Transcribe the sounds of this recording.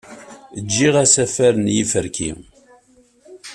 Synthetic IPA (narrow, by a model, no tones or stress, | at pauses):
əd͡ʒːiʁæsæfæɾənjifəɾkʰḭ